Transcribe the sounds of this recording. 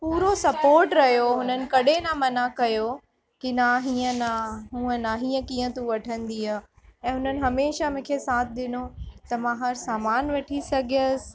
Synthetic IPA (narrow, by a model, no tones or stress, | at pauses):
puːɾosɐpoːɾʈɾɐɦjoɦʊnənɪ̆kɐɗenamɐnakɐjo | kinaːɦiːə̃naɦũːə̃naɦiːə̃kiːə̃t̪ũʋɐʈʰə̃nd̪ia | ɛ̃ːɦʊnənɪ̆ɦɐmeːʃamʊ̃kʰesaːt̪ʰɪɗ̪ɪnot̪ɐmãɦɐɾsaːmaːnʋɐʈʰisɐɡʱijəsɪ̥̆